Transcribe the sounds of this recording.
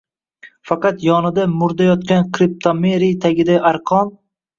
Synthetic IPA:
fɑqɑt̪jɒnɪd̪amʊɾd̪ajɒt̪kʲankʲʰɾɪp̚t̪ʰomeɾijt̪ʰaɡʲɪd̪aʔaɾqʰɒn

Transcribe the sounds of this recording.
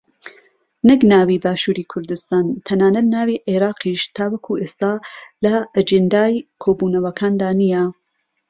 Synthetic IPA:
nɨknaːwiːbaːʃuːɾiːkʰʊɾd̪ɨst̪aːnt̪ʰɐnaːnɐt̪naːwiʔeɾɑːqʰiʃt̪ʰaːwɐkʰuʔeːst̪aːlɐʔɐd͡ʒɪnd̪aːjkʰoːbuːnɐwɐkʰaːnd̪aːnijɛ

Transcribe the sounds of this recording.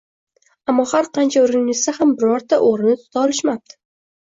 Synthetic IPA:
amːɒhaɾqʰɑnt͡ʃʰaʊɾɪŋnɪsahambɪɾɒɾt̪ʰaʔoɾɪnɪt̪ʰʊ̥t̪ʰaɒlɪʃmap̚t̪ʰɪ̥

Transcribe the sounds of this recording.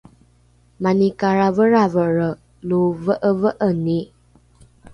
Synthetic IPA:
manikaɾavəɾavəɹə | luvəʔəvəʔəni

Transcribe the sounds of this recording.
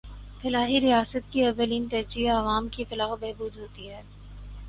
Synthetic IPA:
fɪlaːɦiɾijaːsət̪̚kiɐʋəliːnt̪ɐd͡ʒiaɐʋaːmkifɪlaːxbeɦbuːd̪ɦoːt̪iɦɛː

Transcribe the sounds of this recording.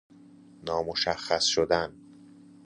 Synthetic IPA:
nɒːmoʃæxːæsʃod̪æn

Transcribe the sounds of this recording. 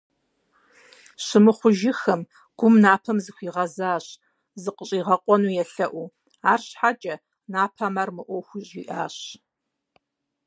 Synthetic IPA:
ɕɨmɨχʷʊʒɪxɐm | ɡ̥ʷʊmnaːpʰɐmzɨxʷiːʁɐzaːɕ | zɨqəɕʼiːʁɐqʷʼɔnuːjɛɬɐʔʷu | aːrɕħat͡ʃʼɐ | naːpʰaːmɐrmɨʔʷɔwxʷʊɕʼiːʔaːɕ

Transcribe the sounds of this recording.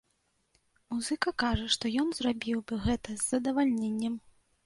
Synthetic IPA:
muzɨkɐkaʐɐʂt̪ɔjɔnzrabʲiwbɨɣɛt̪ɐzːɐd̪ɐvalʲnʲenʲːɛm

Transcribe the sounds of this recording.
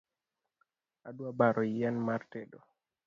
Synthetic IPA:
adwabaɾʔɔianmartedo

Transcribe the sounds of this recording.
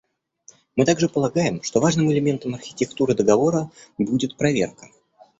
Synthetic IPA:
mɨt̪aɡʐɨpəlˠɐɡajɪmʂt̪o̞vaʐnɨmɪlʲɪmʲe̞nt̪əmɐrxʲɪ̥tʲɪkt̪uɾɨd̪əɡɐvo̞ɾəbudʲɪt̪̚pɾɐvʲe̞̰rkə̥

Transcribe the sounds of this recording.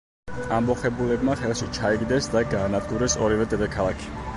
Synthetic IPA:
ambɔχɛbulɛbmaχɛlˠʃit͡ʃʰaɛɡd̪ɛsd̪aɡaːnad̪ɡuɾɛsɔɾivɛd̪ɛd̪ɛkʰalˠakʰi̥

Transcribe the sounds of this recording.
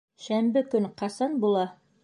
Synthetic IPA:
ʃæmbɘkɵnqɑsɑnbulˠɑ

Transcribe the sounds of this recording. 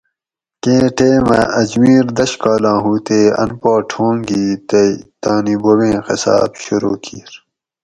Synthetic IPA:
kẽːʈeːmɐ̰̃ɐd͡ʑmiːɾd̪ɐɕkaːlãːɦuːt̪eːɐ̰npaːʈʰõːŋɡiːt̪et̪aːnibowẽːxɐ̰sɑ̰ːbɕuɾoːkʰiːɾ

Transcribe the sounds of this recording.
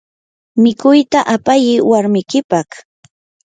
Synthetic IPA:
mɪkʊjt̪aʔapajɪwaɾmɪkɪpaχ

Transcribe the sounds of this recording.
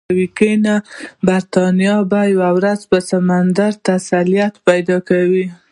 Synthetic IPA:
wikənabaɾt̪ɑnijɑbajawawɾazpəsamand̪aɾt̪asalijat̪pajd̪ɑkawi

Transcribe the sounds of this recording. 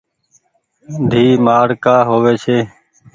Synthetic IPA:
d̪ʱiːmaːɽkaːɦoːʋeːt͡ʃʰeː

